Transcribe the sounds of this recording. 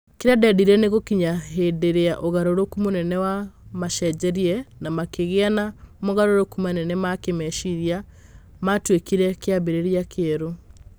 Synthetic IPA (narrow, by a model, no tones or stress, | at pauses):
keɾɛdɛdiɾɛneɣokiɲaɦedeɾeaʔoɣaɾoɾokumonɛnɛwamaʃɛd͡ʒɛɾiɛnamakeɣeanamoɣaɾoɾokumanɛnɛmakemɛʃiɾja | matwekiɾɛkeabeɾeɾiakʰeɛɾo